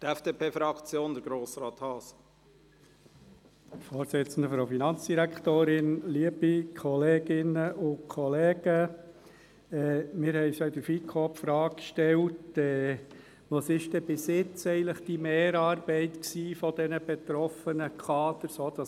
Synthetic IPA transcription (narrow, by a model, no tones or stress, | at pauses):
tɛfd̥eːpeːfɾɑkt͡sjoːnd̪əɾɡɾoːsɾɑːt̪hɑːs | fɔːɾsɪt͡sən̩d̪əfɾoʊfinɑnt͡sd̥iɾækʰtoːɾɪnliəb̥ikʰɔleːɡɪnəʔʊnkʰɔleːɡ̥ə | ɛːmɪːɾhɛɪsjɑɪd̪əɾfikʰɔpfɾɑːkʃtɛltɛː | ʋɑsɪʃtɛb̥ɪsɪt͡sɛɪən̩ləχd̥imeːɾɑːrbɛɪtksiːfɔd̥ɛnəb̥et̪ɾɔfənəkʰɑːd̪əɾsoːd̥ɑ